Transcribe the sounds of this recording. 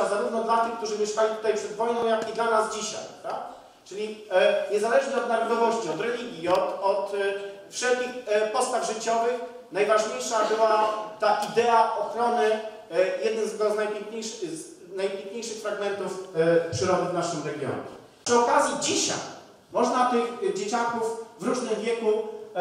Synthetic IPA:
azaɾuvn̪ɔd̪lat̪ɘxk̚t̪uʐɘvʲjɛʂkalʲit̪u̥t̪ajpʂɛd̪vɔjnɔ̃w̃jakid̪lanazd͡ʑiɕa̰jpɾavd̪a | t͡ʂɘlʲiɲɛzalɛʐɲɛɔd̪naɾɔd̪ɔvɔɕt͡ɕiɔt̪ɾɛlʲiɡʲjiɔt̪ɔt̪fʂɛlkʲixpɔst̪avʐɘt͡ɕɔvɘx | najvaʐɲejʂabɘwat̪aʔid̪ɛaʔɔxɾɔnɘ | jɛd̪nɘmzd̪aznajpʲjɛŋkɲejʂ | najpʲjẽŋkɲejʂɘxfɾaɡmɛnt̪ufpʂɘɾɔd̪ɘvnaʂɘmɾɛɡʲjɔ̰ɲɛ̰ | ʂɘɔkazʲjid͡ʑiɕa̰j | mɔʐnat̪ɘɣd͡ʑet͡ɕakufvɾuʐnɘmvʲjɛku

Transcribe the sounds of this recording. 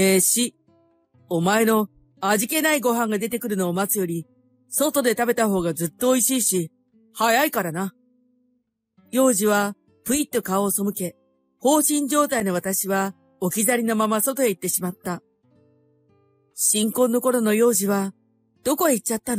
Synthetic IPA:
eɕi | omae̞no̞ | aʑike̞naiɡo̞ɦãŋɡad̪e̞t̪e̞kɯ̟ɾɯ̟no̞ːmat͡sɨjo̞ɾʲi | so̞t̪o̞d̪e̞t̪abe̞t̪aɦo̞ːɡazɨt̪ːo̞ːiɕiːɕi | hajaikaɾana | jo̞ːʑiβa | pɯ̟it̪ːo̞kaoːso̞mɯke̞ | ho̞ːɕĩɲ̟d͡ʑo̞ːt̪aino̞β̞at̪aɕiβa | o̞kʲizaɾʲino̞mamaso̞t̪o̞e̞it̪ːe̞ɕimat̪ːa | ɕĩŋko̞ːnːo̞ko̞ɾo̞no̞jo̞ːʑiβa | d̪̥o̞ko̞eit͡ɕt͡ɕːat̪ːan

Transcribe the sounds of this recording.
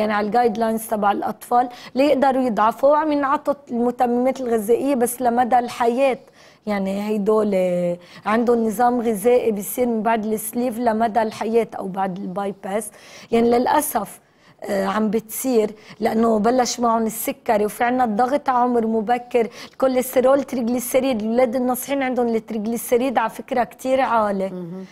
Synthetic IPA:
jaʕniʕalɡaːjd̪lajnzt̪abaʕɪlʔɑ̰t̪ˤfɑːlːajɪʔd̪ɑɾujɨd̪ˤʕɑfuwʕamjɪnʕɑt̪ˤːɑt̪lmʊt̪amːɪmeːt̪ɪlɣɪzeːʔɪjːebasːlamad̪alħajeːt̪ | jaʕniɦajd̪oːleʕɪnd̪ʊnːɨzˤɑːmɣɪzeːʔibɪjsˤiːɾmɪnbaʕd̪ɪlʔɪsliːvlamad̪alħajeːt̪ʔa̰wbaʕd̪ɪlbajpasjaʕnilɪlʔasaf | ʕambɪt̪siːɾlaʔanːobalːaʃmaʕʊnɪsːʊkːaɾewfiʕɪnːad̪ˤːɑɣt̪aʕʊmɾmʊbakːɪɾɪlkolːest̪eɾoːlt̪ɾɪɡlisːɪɾiːd̪ɪlwleːd̪ɪnːɑsˤħiːnʕɪnd̪ʊnlɪt̪ɾɪɡlisːaɾiːd̪ʕafɪkɾakt̪iːɾʕaːle

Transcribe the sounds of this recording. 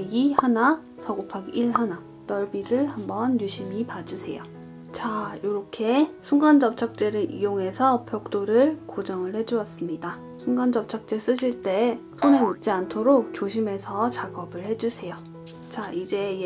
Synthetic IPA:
ihana | sʰʌɡopʰaɡiɭɦana | t͈ʌɭbiɾɯɭhambʌnjuɕʰimipad͡ʑusʰe̞̰jo | t͡ɕajoɾʌkʰe̞sʰuŋɡand͡ʑʌp̚t͡ɕʰʌk̚t͡ɕ͈e̞ɾɯɾʔḭjoŋe̞sʰʌpjʌk̚t͈oɾɯɭkod͡ʑʌŋɯɭhe̞d͡ʑuʌs͈ɯmɲida | sʰuŋɡand͡ʑʌp̚t͡ɕʰʌk̚t͡ɕ͈e̞s͈ɯɕʰiɭt͈e̞sʰonemit̚t͡ɕ͈iantʰoɾok̚t͡ɕoɕʰime̞sʰʌt͡ɕaɡʌbɯɭhe̞d͡ʑusʰe̞jo | t͡ɕaid͡ʑe̞

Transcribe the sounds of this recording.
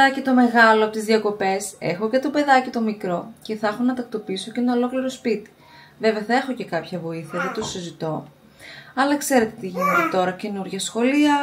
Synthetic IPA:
ɐcit̪o̞me̞ɣɐloɐpot̪izðiɐko̞pe̞se̞̰xo̞cet̪o̞be̞ðɐcit̪o̞mikɾo̞ce̞θɐxonɐt̪ɐk̚t̪o̞piiso̞cenɐolo̞kliɾo̞spit̪i̥ | ve̞veɐθɐe̞xo̞ce̞kɐpçɐvo̞iθiɐðet̪usizit̪o̞ | ɐlɐkse̞ɾe̞t̪et̪iʝinet̪et̪o̞ɾɐce̞nuɾʝɐsxo̞liɐ

